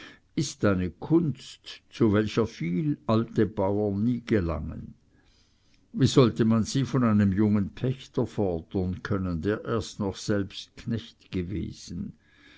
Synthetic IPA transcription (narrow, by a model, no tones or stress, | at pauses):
ɪstaɪnəkʰʊnstt͡suvɛlçɐfiːlaltəbaʊɐniːɡ̥əla̰ŋə̰n | viːzɔltəmanz̥iːfɔnaɪnəmjʊŋənpʰɛçtɐfɔɐd̥ənkʰœnəndeːɐʔeːɐstnɔχsɛlpst̚kʰnɛçtɡ̥əvḛːz̥n̩